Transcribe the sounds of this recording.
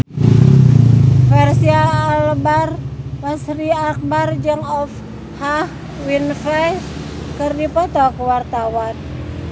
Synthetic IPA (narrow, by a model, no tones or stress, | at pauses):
fɛrsiaːlbarməsriak̚bard͡ʒɨŋɔf | hah | winfɛ | kɨrdipɔt̪ɔkuwart̪awan